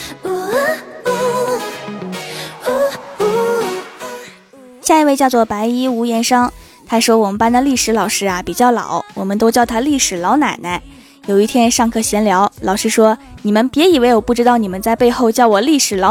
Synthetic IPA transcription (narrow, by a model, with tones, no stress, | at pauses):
ɕja˥˧i˧˥we˥˧ɪt͡ɕjɑ˥˧ʊt͡swɔ˥˩pa˧˥ɪi˥u˧˥jɛ˧˥nʂɤ˥ŋ | t̪ʰa˥ʂwɔ˥wɔ˨˩mə˧˦npa˥nd̪ə˨li˥˩ʂɻ̩˧˥lɑ˨˩ʊʂɻ̩˥a˧pi˨˩t͡ɕjɑ˥˩ʊlɑ̰˨˩˦ʊwɔ˨˩mə˦nt̪o˥ʊt͡ɕjɑ˥˩ʊt̪ʰa˥li˥˩ʂɻ̩˨˩lɑ˧˥ʊna̰˨˩nə˥ | jo˨˩ʊi˥˩t̪ʰjɛ˥nʂɑ˥˧ŋkʰɤ˥˩ɕjɛ˧˥nljɑ˧˥ʊlɑ˨˩ʊʂɻ̩˥ʂwɔ˥ni˨˩mə˧˦npjɛ˧˥i˨˩we˧˥ɪjo˨˩pu˥˩ʈ͡ʂɻ̩˥t̪ɑ˥˩ʊni˨˩mə˦nt͡sa˥˧ɪpe˥˧ɪxo˥˧ʊt͡ɕjɑ˥˩ʊwɔ˨˩li˥˩ʂɻ̩˨˩lɑ˧˥